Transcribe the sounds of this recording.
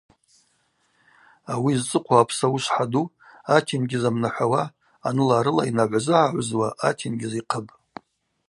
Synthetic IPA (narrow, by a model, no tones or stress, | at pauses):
awiːzt͡sʼɨqʷʰaːpʰsauʃʷħadu | atʰinɡʲɪzamnaħʷawaː | nɨlaːɾɨla̰inaʕʷazɨʕaʕʷzwaʔatʰinɡʲɪziqʰəbʼ